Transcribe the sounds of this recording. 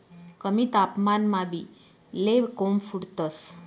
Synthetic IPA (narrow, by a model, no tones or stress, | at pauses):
kəmit̪apmanmãbi | leʋkomfuɽt̪əs